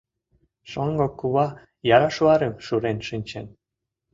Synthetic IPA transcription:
ʃoŋɡokːuβɑ | jɑɾɑʃuɑɾemʃuɾenʃinʲt͡ɕen

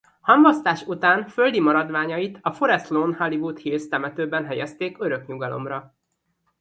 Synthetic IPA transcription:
hɒmbɒst̪aːʃut̪aːnfø̞ld̪imɒɾɒd̪ʋaːɲɒjit̪ʰɒfoɾɛslonhɒlivut̪hilst̪ɛmɛt̪øːbɛnɦɛjɛst̪eːkøɾø̞kɲuɡɒlʔo̞̰mrɒ

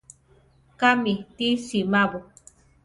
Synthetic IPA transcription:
kamit̪isimaβu

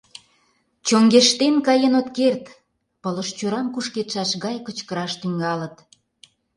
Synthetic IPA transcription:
t͡ɕoŋɡeʃt̪enkɑjənot̪kert̪ | pələʃt͡ɕoɾɑmkuʃket̪ʃɑʃɣɑjkət͡ɕkəɾɑʃt̪yŋɡɑlə̆t̪

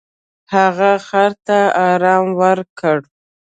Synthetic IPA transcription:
haɣaxaɾt̪aɑɾɑmwəɾkəɽ

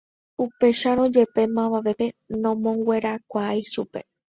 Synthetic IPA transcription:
upe̞ʃaɾõ̞d͡ʒe̞pe̞mãβaʋe̞pe̞nõ̞mõ̞ŋɡwʷe̞ɾakʷajʃupe̞

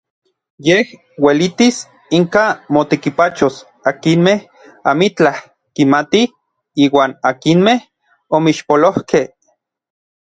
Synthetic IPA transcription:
jeh | welit̪is | iŋkamot̪ekipat͡ʃos | akinmeh | amit͡ɬah | kimat̪i | iːwaːnakinmeh | omiʃpolohkeh

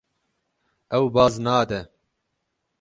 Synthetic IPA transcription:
ɛwbɑːznaːd̪ɛ

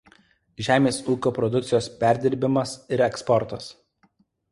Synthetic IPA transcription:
ʒʲæːmʲeːsuːkʲoːpɾɔd̪ʊkt̪sʲɪjoːspʲæˑɾʲd̪ʲɪɾʲbʲɪmɐsɪɾɛkspɔɾt̪ɐs

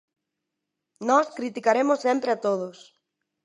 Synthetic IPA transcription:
nɔskɾit̪ikaɾemʊsːempɾɪat̪oð̞ʊs

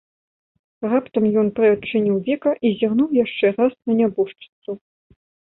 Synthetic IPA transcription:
rapt̪ɐmjɔnpɾɨɐt͡ʂːɨnʲiwvʲɛkɐʔizʲaɣnuwjaʂt͡ʂɛrasnɐnʲabuʂt͡ʂɨ̥t̪su

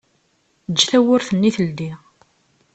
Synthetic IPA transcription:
d͡ʒːθæwʊɾθənːiθəld̪i

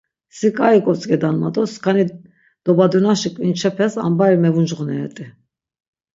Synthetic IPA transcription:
sikʼaikʼɔt͡sʼɡʼɛd̪anmat̪ʼɔskʰani | d̪̥ɔbad̪unaʃikʼvint͡ʃʰɛpʰɛsa̰mbaɾimɛvund͡ʒʁnɛɛ̰t̪ʼi

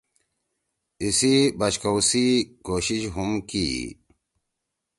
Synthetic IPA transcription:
isibɐɕkowsikoːɕiɕɦumkḭ

